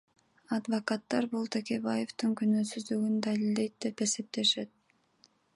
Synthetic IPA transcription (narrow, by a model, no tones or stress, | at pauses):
ad̪vɐkat̪ːɑɾbulˠt̪ʰe̞kʲe̞baje̞ft̪ɯŋkynøːsyzd̪yɡynd̪alilʲd̪e̞jt̪̚d̪e̞pe̞se̞p̚t̪e̞ʃe̞t̪̚